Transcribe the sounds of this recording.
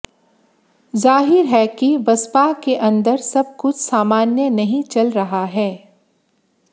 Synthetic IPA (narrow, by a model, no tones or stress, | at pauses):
zaːɦɪɾɦɛːkiʋɐspakeʔɐ̃nd̪əɾsɐb̚kʊt͡ʃʰsaːmaːnjənɐɦĩt͡ʃɐlɾɐɦaɦɛː